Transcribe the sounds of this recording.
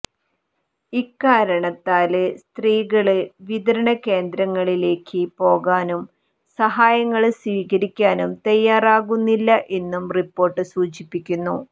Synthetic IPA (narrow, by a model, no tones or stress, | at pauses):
ikːaːɾɐɳɐt̪ːaːlɨst̪riːɣɐɭɨʋid̪ɐɾɐɳɐke̞ːnd̪ɾɐŋːɐɭile̞ːkʰːɨpo̞ːɣaːnum | sɐɦaːjɐŋːɐɭswiːɣɐɾikʲːaːnumt̪ɐjːaːraːɣunːilːɐʔe̞nːumripːo̞ːrʈːɨsuːt͡ɕipːikʲːunːu